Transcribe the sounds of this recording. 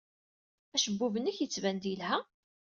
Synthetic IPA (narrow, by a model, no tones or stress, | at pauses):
æʃəbːuvənːəçjət͡sːvænd̪iəlhæ